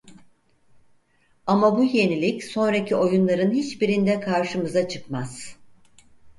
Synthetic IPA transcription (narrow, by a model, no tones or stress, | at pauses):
amabuje̞nilʲicso̞nɾacʰio̞junlˠaɾɯnhit͡ʃbiɾind̪ɛkʰaɾʃɯmɯzat͡ʃʰɯkmaz̥